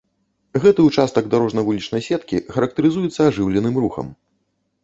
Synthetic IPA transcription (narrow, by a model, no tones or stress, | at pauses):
ɣɛt̪ɨut͡ʂast̪ɐɡd̪aɾɔʐnɐvulʲit͡ʂnɐjsʲɛt̪kʲḭxɐɾɐk̚t̪ɐɾɨzujɛt̪sːɐaʐɨwlʲɛnɨmɾuxɐ̰m